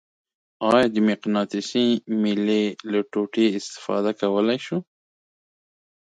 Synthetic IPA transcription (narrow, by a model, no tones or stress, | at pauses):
ɑjɑd̪əmɪqnɑt̪ɪsimɪlelaʈoʈeɪst̪ɪ̥fɑ̰d̪akawəlajʃu